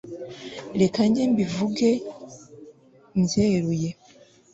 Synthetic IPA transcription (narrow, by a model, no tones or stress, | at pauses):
ɾekaɲɟembivuɡe | mzeːɾuje